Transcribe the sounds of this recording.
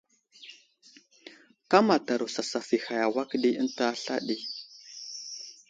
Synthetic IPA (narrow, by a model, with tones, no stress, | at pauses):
ka˦ma˨ta˨ɾu˨sa˨sa˨fi˨ha˨ja˨wa˦kɗi˦ə˦nta˦ɬa̰˦ɗi˦